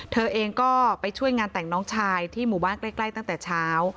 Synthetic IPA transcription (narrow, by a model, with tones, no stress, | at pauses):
t̪ʰɤː˧ʔeː˧ŋkɔː˥˩pa˧jt͡ɕʰu˥˩əjŋaː˧nt̪ɛ˨˩ŋnɔː˦˥ŋt͡ɕʰaː˧jt̪ʰiː˥˩muː˨˩aː˥˩nkla˥˩jkla˥˩jt̪a˥˩t̪ɛː˨˩t͡ɕʰaː˦˥w